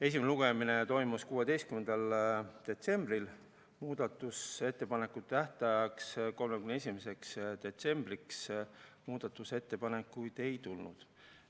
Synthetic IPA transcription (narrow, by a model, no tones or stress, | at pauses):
e̞s̬ʲimneuɡ̥e̞mine̞t̪o̞jmuskuːe̞d̪e̞jst̪kymend̪̥ɑld̪̥e̞t̪se̞mb̥ɾil | muːd̪̥ɑt̪ːˑuse̞t̪ːe̞pɑne̞kːˑut̪ːæht̪ɑjɑksko̞lmekymneesʲimese̞ksd̪̥e̞t̪se̞mb̥riksmuːd̪̥ɑt̪ːˑuse̞t̪ːe̞pɑne̞kːˑujd̪̥e̞jt̪ulnṵd̪̥